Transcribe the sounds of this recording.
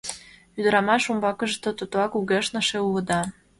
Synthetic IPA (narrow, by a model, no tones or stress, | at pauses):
yd̪ə̆ɾɑmɑʃumbɑkə̆ʒt̪ot̪ut̪oɑkuɣeʃnə̆ʃeulɤ̆d̪ɑ